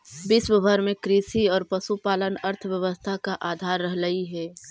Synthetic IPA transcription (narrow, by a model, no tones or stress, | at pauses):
bɪswəbʱəɾmẽkɾiːsiɔːɾpɐsupaːlənəɾt̪ʰʋjəʋəst̪ʰakaʔaːd̪ʱaːɾːəɦləiɦɛː